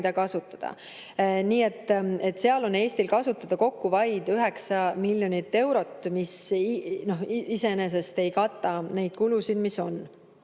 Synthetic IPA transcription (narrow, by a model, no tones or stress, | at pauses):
d̪̥ɑkɑsut̪ːˑɑ̥d̪̥ɑ̰ | niːe̞t̪ːˑe̞t̪ːˑseɑlo̞ne̞ːst̪ilkɑsut̪ːˑɑd̪̥ɑko̞kːuvɑjd̪yɦe̞ksɑmilʲːjo̞nit̪ːe̞wɾo̞t̪ːmisno̞hise̞ene̞s̬e̞st̪e̞jkɑt̪ːˑɑne̞jd̪̥̚kulusid̪̥miso̞n